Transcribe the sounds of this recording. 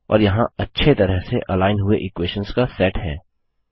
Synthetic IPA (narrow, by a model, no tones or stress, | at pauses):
ɔ̰ːɾjɐɦãɐtːʃʰet̪ɐɾəɦseʔɐlaːɪnɦʊeʔɪkweːʃə̃nskasɛːʈɦɛː